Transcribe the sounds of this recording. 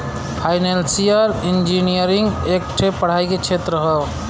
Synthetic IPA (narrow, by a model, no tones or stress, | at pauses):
pʰajnelsiəɾind͡ʒinijəɾiŋɡek̚ʈʰepːəɽ̤aiket͡ʃʰet̪ɾəɦəb